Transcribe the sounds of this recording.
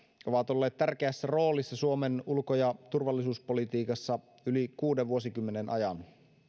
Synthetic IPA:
o̞ʋɑt̪o̞lːeːt̪t̪ærk̟eæsːæro̞ːlisːɑsuomenulkojɑt̪urʋɑlːisuːspo̞lit̪iːkɑsːɑ | ylikuːdeʋʋuosikymːenenʔɑ̰jɑn

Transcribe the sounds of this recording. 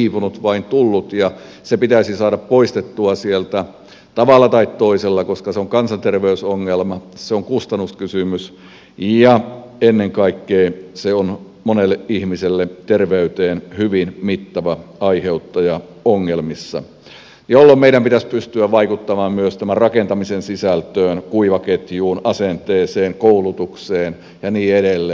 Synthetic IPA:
iːpunut̪ʋɑint̪ulːut̪jɑ | sepit̪æsisɑːdɑppoist̪et̪ːuɑsielt̪æ | t̪ɑʋɑlːˑɑt̪ɑit̪t̪oiselːɑkoskɑseoŋkɑnsɑnt̪erʋeysoŋːelmɑseoŋkust̪ɑnːuskysymys | jɑ | enːeŋkɑikːeːseon | monelːeʔihmiselːet̪erʋeyt̪eːnhyʋinmit̪ːɑʋɑɑiheut̪ːɑjɑ | oŋːelmisːɑ̰ | jolːommeiɾæmpit̪æspyst̪yæʋɑikut̪ːɑmɑːmmyøst̪æmærrɑkent̪ɑmisensisælt̪øːnkuiʋɑket̪juːnɑsent̪eːseːŋkoulut̪ukseːn | jɑniːeɾelːe

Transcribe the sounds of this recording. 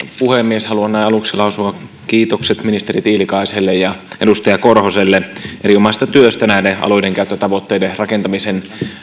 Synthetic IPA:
puhemːieshɑluɑnːæiɑluksilɑusuɑ | kiːt̪okset̪minist̪e̞rit̪iːlikɑiselːejjɑʔedust̪ɑjɑkorhoselːeʔeɾiomɑst̪ɑt̪yøst̪ænæideɑ̰loideŋkæyt̪ːøt̪ɑʋo̞t̪ːeiderɑkent̪ɑmisen

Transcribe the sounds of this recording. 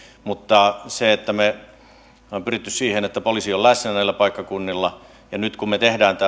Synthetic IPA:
mut̪ːɑseet̪ːæme | pyrit̪ːyssiːhenet̪ːæpolisiollæsnænæilːˑæpɑikːɑkunːilːɑ | jɑnyt̪kummet̪ehdæːnt̪æ

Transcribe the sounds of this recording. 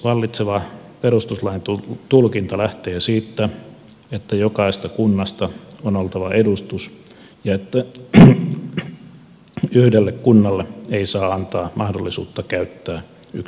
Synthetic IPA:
ʋɑlːit̪seʋɑpeɾust̪uslɑint̪ut̪ulkint̪ɑlæht̪eːsiːt̪ːæ | et̪ːæjokɑist̪ɑkunːɑst̪ɑonolt̪ɑʋɑʔedust̪us | jɑet̪ːæ | yhdelːekkunːɑlːeeisɑːɑnt̪ɑːmʔɑhdolːisṵːt̪ːɑkæyt̪ːæː | y̰k

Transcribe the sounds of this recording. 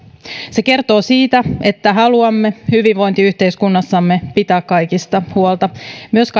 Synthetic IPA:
se̞ke̞rt̪o̞ːsiːt̪æe̞t̪ːæɦɑluɑmːe̞hyʋiʋʋo̞jnt̪iyht̪e̞iskunːɑsːɑmːe̞pit̪æːkkɑjkist̪ɑhuolt̪ɑmyøsk

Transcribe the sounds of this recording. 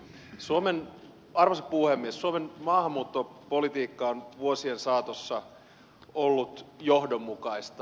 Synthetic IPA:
suomen | ɑrʋosɑpuhemːiessuomenmɑːhɑmːuːt̪ːopolit̪iːkːɑonʋuosiensɑːt̪osːɑ | olːut̪johdomːukɑist̪ɑ

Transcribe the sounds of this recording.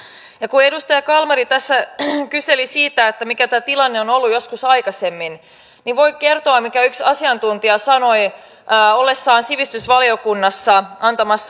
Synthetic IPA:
jɑkuedust̪ɑjɑkɑlmɑɾit̪æsːækyselisiːt̪æet̪ːæmikæt̪æːt̪ilɑnːeonolːujo̞skusɑjkɑsemːin | niʋʋo̞ikert̪oɑmmikæyksɑsiɑnt̪unt̪iɑsɑno̞i | olːesːɑːnsiʋist̪ysʋɑliokunːɑsːɑʔɑnt̪ɑmɑsː

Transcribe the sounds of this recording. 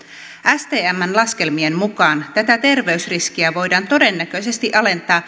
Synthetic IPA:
ʔæst̪e̞ːæmːænlɑsk̟e̞lmiemmukɑːnt̪æt̪æt̪e̞rʋe̞ysrisk̟iæʋo̞jdɑːnt̪o̞de̞nːæk̟ø̞jse̞st̪iʔɑle̞nt̪ɑː

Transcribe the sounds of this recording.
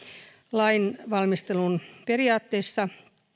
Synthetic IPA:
lɑinʋɑlmist̪elunperiɑːt̪ːeːsːɑ

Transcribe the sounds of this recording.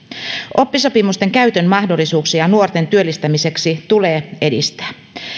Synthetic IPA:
ʔo̞pːiso̞pimust̪e̞ŋkæyt̪ømmɑhdo̞lːˑisuːksijɑnuort̪e̞nt̪yø̞lːist̪æmise̞ksit̪ule̞ːe̞dḭst̪æ̥ː

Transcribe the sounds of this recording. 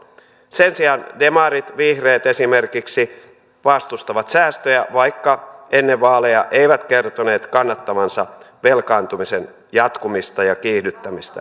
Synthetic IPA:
sensiɑndemɑɾit̪ʋihreːt̪esime̞rkiksi | ʋɑst̪ust̪ɑʋɑt̪sæːst̪øjæʋɑikːɑʔenːeʋʋɑːlejɑʔeiʋæt̪kert̪one̞ːt̪kɑnːɑt̪ːɑmɑnsɑ | ʋelkɑːnt̪umisen | jɑt̪kumist̪ɑjɑkiːhdyt̪ːæmist̪æ̰

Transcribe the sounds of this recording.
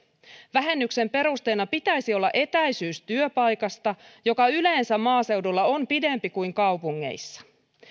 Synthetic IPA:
ʋæɦe̞nːykse̞mpe̞ɾust̪e̞ːnɑpit̪æjsiolːɑ̰ʔe̞t̪æjsyːst̪yøpɑjkɑst̪ɑjo̞kɑyle̞ːnsæmːɑːse̞wdulːɑo̞mpide̞mpikujŋkɑwpuŋːe̞̰jsːɑ̥

